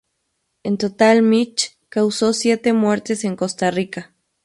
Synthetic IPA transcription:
ent̪ot̪almit͡ʃ | kawsosjet̪emweɾt̪eseŋkost̪arika

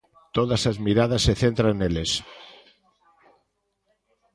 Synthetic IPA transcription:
t̪oðasazmiɾað̞asːeθent̪ɾaeneles

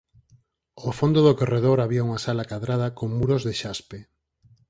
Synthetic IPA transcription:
ofond̪oðokoreðoɾaβiauŋasalakaðɾað̞ɐkoŋmuɾozðeʃaspe

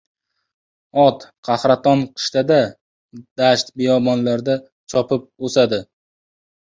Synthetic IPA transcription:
ɒt̪qʰɑhɾat̪ɒnqʰɨ̥ʃt̪ad̪a | d̪̥aʃt̪bejɒbɒnlaɾd̪a | t͡ʃʰɒpʰɪp̚osad̪ɪ

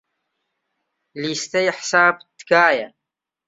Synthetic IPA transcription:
lst̪æjəħsæbt̪ːkaʕjæ

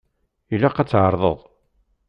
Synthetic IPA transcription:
ilːæqæt͡sːʕəɾˤðˤə̰ðˤ

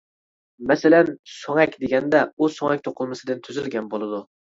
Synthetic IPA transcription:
mæsalænsoŋɛkʲd̪eɡʲɛnd̪ɛusoŋɛk̚ʲt̪ʰoqʰɨlˠmɪsɪd̪ɪnt̪ʰyzɪlɡʲɛnbolˠɪd̪ʊ

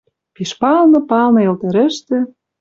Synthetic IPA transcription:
piʃpɑlnɤ̆pɑlˠnɤ̆ĕlt̪ɤ̆ɾɘ̆ʃt̪ĕ

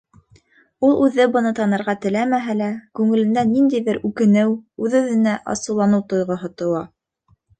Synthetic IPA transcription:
ulˠʉðɘbɤ̆nɤt̪ɑnɤ̆ɾʁɑt̪ɘ̆læmæɦælækʉŋɘ̆lɘ̆nd̪ænːind̪ijðɘɾʉkɘ̆nɘwʉðʉðɘ̆næʔɑ̰sɤ̆wlˠɑnɤwt̪ŏjʁɤ̆ɦŏt̪ŏwɑ

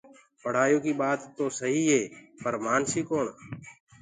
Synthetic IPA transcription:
pəɽ̤aːjoːkiːɓaːt̪ːoːsəɦiːɦeːpəɾmaːnsiːkoːɳ

